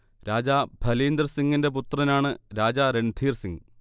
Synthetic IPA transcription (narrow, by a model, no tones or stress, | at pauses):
ɾaːd͡ʑaːbʱɐliːnd̪ɐrsiŋɡinde̞put̪rɐnaːɳɨɾaːd͡ʑaːɾe̞ɳd̪ʱiːrsiŋ